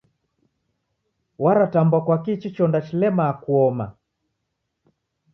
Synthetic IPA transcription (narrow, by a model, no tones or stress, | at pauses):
waɾatambwakwakit͡ʃit͡ʃɔndat͡ʃilɛmaːkuɔma